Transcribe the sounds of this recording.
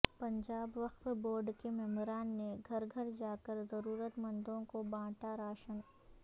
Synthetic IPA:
pɐ̃ɲd͡ʒaːbʋəxt̪boːɾɖkemɛmɾaːnːeɡʱɐɾɡʱɐɾd͡ʒaːkəɾzɐɾuːɾət̪mɐ̃nd̪õkobãːʈaɾaːʃən

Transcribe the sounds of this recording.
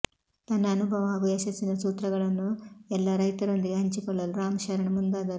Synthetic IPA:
t̪ɐnːɐːnubʱɐʋɐaːɡuɐʃɐsinɐsuːt̪ɾɐɡɐɭɐnuɛlːɐɾɐjt̪ɐɾond̪iɡɦɐɲt͡ʃikɔɭːɐluɾaːmɐʃɐɾɐɳɐmund̪aːd̪ɐɾ

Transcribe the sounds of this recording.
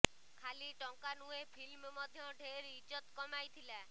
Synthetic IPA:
kʰaliʈɔŋkanuepʰilmmɔd̪ʱjɔɖʱeɾit͡ʃɔt̪kɔmajt̪ʰila

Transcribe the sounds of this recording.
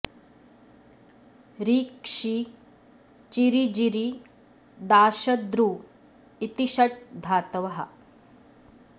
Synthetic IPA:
ɾiːkʂi | t͡ʃiɾid͡ʒiɾi | d̪aːʃɐd̪ɾuː | it̪iʃɐʈ̚d̪ʱaːt̪ɐʋɐɦɐ̰

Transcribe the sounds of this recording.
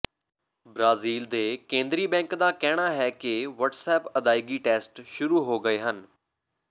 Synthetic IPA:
bɾaːziːld̪eːkẽːnd̪ɾiːbɛ̃ːŋkd̪aːkɛːɽ̃aːɦɛːkɪʋəʈsɛːpəd̪aːiːɡiːʈeːsʈʃʊɾuːɦoːɡəeːɦən

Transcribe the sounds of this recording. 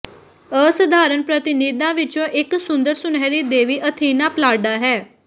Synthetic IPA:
əsəd̪ʱaːɾənpɾət̪ɪniːd̪ãːʋɪt͡ʃõːʔɪksʊnd̪əɾsʊnɛːɾiːd̪eːʋiːʔət̪ʰiːnãːplaːɖaːɦɛː

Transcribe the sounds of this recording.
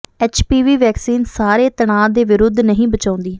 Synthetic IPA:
ɛːt͡ʃpiːʋiːʋɛːksiːnsaːɾeːt̪əɽaːd̪eːʋɪɾʊd̪ʱːnəɦĩːbət͡ʃãːnd̪iː

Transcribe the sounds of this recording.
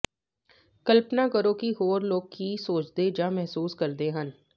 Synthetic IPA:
kəlpnaːkəɾõːkiɦoːɾloːɡkisoːt͡ʃd̪ed͡ʒãːmɛɦsuːskəɾd̪eːɦən

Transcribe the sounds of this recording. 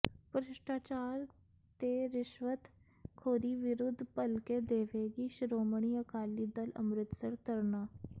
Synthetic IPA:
pəɾɪʃʈaːt͡ʃaːɾ | t̪eɾɪʃʋət̪ | kʰoːd̪iːʋɪɾʊd̪ʱːpəlked̪eːʋeːɡiʃɾoːmɳ̃iəkaːliːd̪ələ̰mɾɪt̪səɾt̪əɾnaː

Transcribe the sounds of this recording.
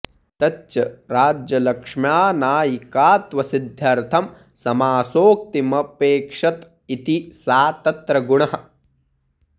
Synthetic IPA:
t̪ɐtːt͡ʃɐɾaːd͡ʒjɐlɐkʂmjaːnaːjikaːt̪ʋɐsid̪ʱːjɐɾt̪ʰɐm | sɐmaːsoːk̚t̪imɐpeːkʂɐt̪ | it̪isaːt̪ɐt̪ɾɐɡuɳɐɦɐ̆

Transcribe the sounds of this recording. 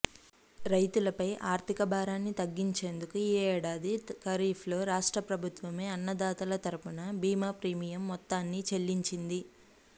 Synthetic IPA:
ɾɐjt̪ulɐpɐjʔaːɾt̪ʰikɐbʱaːɾaːnːit̪ɐɡːiɲt͡ʃe̞ːnd̪ukueːɛːɽaːd̪ikɐɾiːpʰlo̞ːɾaːʂʈɾɐpɾɐbʱut̪ʋɐmeːɐnːɐd̪aːt̪ɐlɐt̪ɐɾupunɐbiːmaːpɾiːmijɐmːɔt̪ːaːnːit͡ʃe̞lːiɲt͡ʃind̪i

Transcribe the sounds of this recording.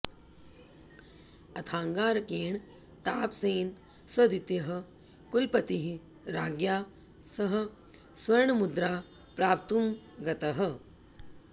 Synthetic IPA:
ɐt̪ʰaːŋɡaːɾɐkeːɳ | t̪aːpseːn | sɐd̪it̪jɐɦɐ̆ | kulpɐt̪iɦi | ɾaːɡjaː | sɐɦɐ̆ | sʋɐɾɳɐmud̪ɾaː | pɾaːp̚t̪um | ɡɐt̪ɐɦɐ̆

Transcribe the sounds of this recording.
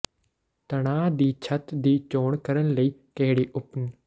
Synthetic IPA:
t̪ɐɽ̃aːd̪iːt͡ʃʰɐt̪d̪iːt͡ʃoːɳkɐɾənləiːkɐɦɪɽiːʔʊpn

